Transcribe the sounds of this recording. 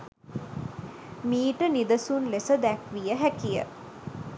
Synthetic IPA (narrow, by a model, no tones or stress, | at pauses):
miːʈənid̪əsunlesəd̪ækʋijəɦækijə̰